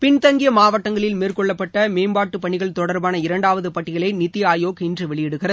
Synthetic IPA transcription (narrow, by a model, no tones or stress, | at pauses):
pɪɳt̪ɐŋɡɪjɐmaːʋɐʈːɐŋɡɐɭɪlmeːrkɔɭːɐpːɐʈːɐmeːmbaːʈːɯpɐɳɪɣɐɭt̪ɔɽɐɾbaːnɐɪɾɐɳɖaːʋɐðɯpɐʈːɪɣɐɭɐɪnɪt̪ːɪjaːjoːkɪndrɯʋɛɭɪjɛɽɯɣɪrɐð